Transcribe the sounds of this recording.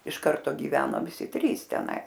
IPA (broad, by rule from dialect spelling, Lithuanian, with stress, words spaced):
ɪʃ ˈkɐrtoː ɡʲɪˈʋʲæːnoː ʋʲɪˈsʲɪ ˈtʲrʲiːs tʲɛˈnɐɪs